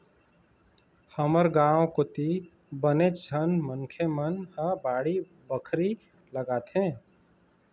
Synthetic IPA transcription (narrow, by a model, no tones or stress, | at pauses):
həməɾɡãːõkʊt̪i | bənet͡ʃd͡ʒʱənməŋkʰemənhəbaːɽi | bəkʰɾi | ləɡaːt̪ɦẽː